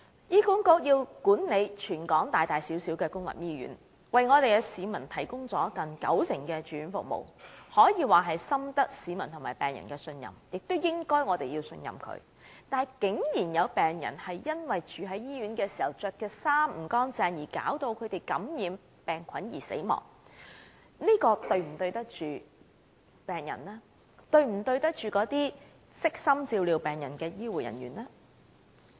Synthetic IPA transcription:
jiː˥kuː˨˥nkɔ˧k̚jiː˧wkuː˨˥nne˨˧jt͡ʃʰyː˨˩nkɔː˨˥ŋt̪aː˨˩jt̪aː˨jsi˨˥wsiː˨˥wkɛː˧kʊ˥ŋlɐ̰˨mjiː˥ɥy̰ː˨˥n | wɐ˨jŋɔː˨˧t̪e˨jkɛː˧siː˨˧mɐ˨˩nt̪ʰɐ˨˩jkʊ˥ŋt͡sɔː˨˥kɐ˨ŋkɐ̰˨˥wsɪ˨˩ŋkɛː˧t͡ʃyː˨˧ɥy˨˧˥nfʊ̰˨k̚mo̰˨˩whɔː˨˥jiː˨˧waː˨ɦɐ˨jsɐ˥mt̪ɐ˥k̚siː˨˧mɐ˨˩nt̪ʰʊ˨˩maː˨˩pɛː˨˩ŋjɐ̰˨˩nkɛː˧sɵ˧njɐ̰˨mjɪ˨k̚t̪o˥wjɪ˥ŋkɔː˥jŋɔː˨˧t̪e˨jiː˧wsɵ̰˧njɐ̰˨mkʰɵ̰˨˧ɥ | t̪aː˨kɪ˨˥ŋjiː˨˩njɐ˨˧wpɛː˨ŋjɐ̰˨˩nhɐ˨jjɐ˥nwɐ˨jt͡ʃʰyː˨˧ɦɐ˨˥jjiː˥ɥyː˨˥nkɛː˧si̥ː˨˩hɐ˨˩wt͡sœː˧kːɛː˧saː˥mm̩˨˩kɔː˥ŋt͡sɛː˧ŋjiː˨˩ka̰ː˨˥wt̪o˧wkʰɵ˨˧ɥt̪e˨jkɐ˨˥mjiː˨˧m | pɛː˨˩ŋkʷʰɐ˨˥njiː˨˩sḛ˨˥jmɔ̰ː˨ŋ̚ | niː˥kɔː˧t̪ɵ˧ɥm̩˨˩t̪ɵ˧ɥt̪ɐ˥k̚t͡ʃyː˨ | pɛː˨ŋjɐ̰˨˩nlɛː˥ | t̪ɵ˧ɥm̩˨˩t̪ɵ˧ɥt̪ɐ˥k̚t͡ʃyː˨kɔː˨˥t̪iː˥ | sɪ˥k̚sɐ˥mt͡siː˧wliː˨˧wpɛː˨˩ŋjɐ˨˩nkɛː˧jiː˥wuː˨˩jɐ̰˨˩njyː˨˩nlɛː˥

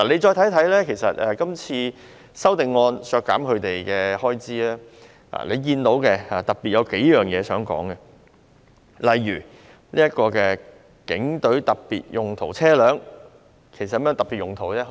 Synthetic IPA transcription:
aː˨le˨˧jt͡ʃɔː˧jt̪ʰɐ˨˥jt̪ʰɐ˨˥jlɛː˥kʰe˨˩sɐ̰˨t̚ɛː˨kɐ˥mt͡sʰiː˧ | sɐ˥wt̪ɪ˨˩ŋːɔː˧nsœː˧kːa̰ː˨˥mkʰɵ˨˧ɥt̪e˨jkɛː˧hɔː˥jt͡siː˥aː˥ | a̰ː˨˩le˨˧jkiː˧nt̪o˨˥wkɛ˧aː˨˩t̪ɐ˨˩k̚piː˨t̚jɐ˨˧wke˨˥jjœː˨ŋjɛː˨˧sœː˨˥ŋkɔ̰ː˨˥ŋɡɛ˧ | lɐ˨jɥyː˨˩ | liː˥ɐ˥t̚kɔː˧kɛː˧ | kɪ˨˥ŋt̪ɵ˨˥ɥt̪ɐ˨k̚pḭː˨t̚jʊ˨˩ŋt̪ʰo˨˩wt͡sʰɛː˥lœː˨˥ŋ | kʰe˨˩sɐ˨t̚ːmjːŋt̪ɐ˨˩pi˨t̚jʊ˨ŋt̪ʰo˨˩wt͡sɛ˥

